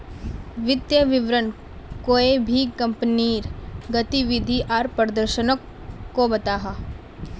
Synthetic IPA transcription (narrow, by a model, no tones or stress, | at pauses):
ʋɪt̪jəʋɪʋɾən | koːebʱikɐ̃mpniːɾɡɐt̪iʋɪd̪ʱiʔaːɾpɾəd̪əɾʃənəkː | obɐt̪aːɦaː